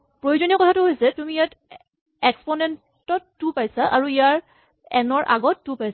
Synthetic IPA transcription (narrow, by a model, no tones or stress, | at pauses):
pɹojozoniɔkɔtʰatʊɦojsɛtumijat | ɛkspɔnɛn | tɔtːupajsaʔaɹuijaɹ | ɛ̰nɔɹʔa̰ɡɔtːupajs